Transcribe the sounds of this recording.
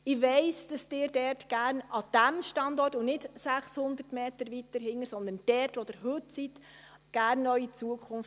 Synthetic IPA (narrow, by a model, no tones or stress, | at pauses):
ɪʋɛɪsd̥ɑsd̥ɪːɾdɛrtɡ̥æːɾnɑd̥æmʃtɑndɔrtʊnɪtsæχshʊnd̪əɾtmeːtəɾʋitəɾɦɪŋːəsɔnd̪ənd̥ɛɾtʋɔd̥ɪɾɦʏtsit | ɡ̥æɾnːœɥit͡suəkʰχʊnft